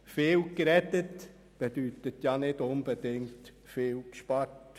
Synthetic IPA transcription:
feːlkɾɛtət | b̥ed̥yːt̪ətjɑnɪdʊnb̥ədɪŋt | fɪːlkʃpɑrt

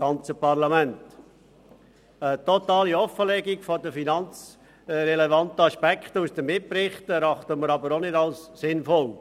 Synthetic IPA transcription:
ɑnt͡səpɑɾlɑmænt | ətɔt̪ɑːliɔfːəlɛɡiɡfodəfinɑnt͡s | ɾɛlevɑntəɑʃpɛkχt̪əusd̥̪əmɪprɪχtɛɾɑχt̪əməɾɑbəɾonɪdɑlssɪnfɔl

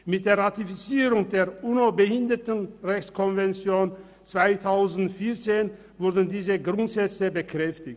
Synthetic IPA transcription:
mɪt̚d̥eːɐʁatifit͡siːʁʊŋdeːɐʔuːnobəhɪndɐtən̩ʁɛçt͡skʰɔnvɛnt͡sjoːn | t͡sv̥aɪtʰaʊzn̩tfiɐt͡seːn | vʊɐdn̩diːzəɡʁʊntz̥ɛt͡səbəkʁ̥ɛftɪçt

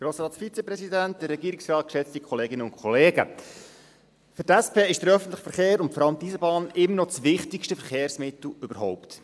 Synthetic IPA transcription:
ɡ̥ɾoːsɾɑːtfit͡sɛpɾɛsidæntdəɾːɛɡiːɾɪksrɑːt̪̚kʃɛt͡stikʰχɔleːɡɪnəʊ̃nkʰχɔleːɡə̰ | fʏɾtæspʰeːɪʃd̥əɾœfən̩t̪ləχfəɾχeːɾʊntfɔɾɑləmt̪izəbɑːnɪmːənɔt͡svɪχtɪkʃtəfəɾχeːɾsmɪt̪l̩ʏbəɾɦɔʊpt

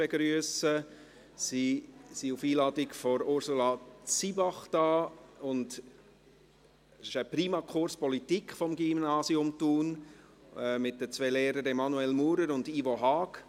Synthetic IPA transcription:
ɛɡɾyəsə | sisiufiːlɑːdɪkfɔɾʊɾsulɑt͡sibɑχd̥ɑːʊnd | sɪʃəpɾiːmɑkʰχʊɾspɔlitikχfɔmɡimnɑːsiʊmtuːn | mɪt̚d̥ət͡sʋeleːɾəɾɛmɑnuɛlmuːɾəɾʊndivɔɦɑːk

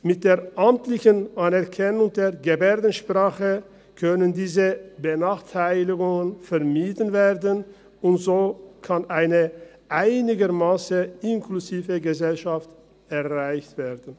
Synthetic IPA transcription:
mɪt̚d̥eːɐʔamtlɪçənʔanɛɐkʰɛnʊŋd̥eːɐɡəbɛːdn̩ʃpʁ̥aːχə | kʰœnəndiːzəbənaːχtʰaɪlɪɡʊŋənfɛɐmiːdənveːɐdən | ʊntz̥oːkʰanʔaɪnə | ʔaɪnɪɡəʁmaːsəɪnkʰluziːvəɡəzɛlʃaft | ɛʁaɪçtv̥eːdən̩

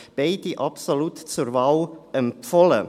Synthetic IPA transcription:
b̥eɪdiʔɑpsolutt͡suɾvaʊʔɛmpfɔlə

